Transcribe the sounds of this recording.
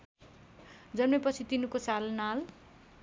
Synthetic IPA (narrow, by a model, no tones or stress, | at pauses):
d͡zʌnmepʌt͡sʰit̪inukosalnal